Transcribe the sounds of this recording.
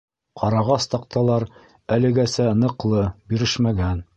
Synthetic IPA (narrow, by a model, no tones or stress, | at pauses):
qɑɾɑʁɑst̪ɑq̚t̪ɑlˠɑɾ | ælɘ̆ɡæsænɤ̆qlˠɤbiɾɘʃmæɡæn